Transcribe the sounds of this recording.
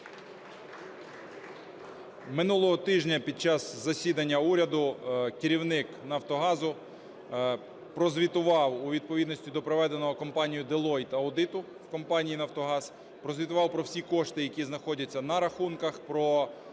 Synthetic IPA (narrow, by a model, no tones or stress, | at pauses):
mɪnulˠɔɦɔt̪ɪʒnʲɐpʲid̪̚t͡ʃɑzzɐsʲid̪ɐnʲːɐuɾʲɐd̪ʊkɪɾʲiwnɪknɐwt̪ɔɦɑzʊ | pɾɔzʋʲit̪ʊʋɑwuʋʲid̪̚pɔʋʲid̪nɔsʲtʲid̪ɔpɾɔʋɛd̪enɔɦɔkɔmpɑnʲijʊd̪elˠɔjt̪ɐʊd̪ɪt̪ʊ | wkɔmpɑnʲijinɐwt̪ɔɦɑz | pɾɔzʋʲit̪ʊʋɑwpɾɔwsʲikɔʃt̪ɪjɐkʲiznɐxɔdʲɐt͡sʲːɐnɐɾɐxunkɐxpɾɔ